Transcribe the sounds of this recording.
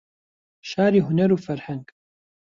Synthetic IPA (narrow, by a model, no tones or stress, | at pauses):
ʃaːɾiɦʊnɐɾufɐɾħɐŋkʼ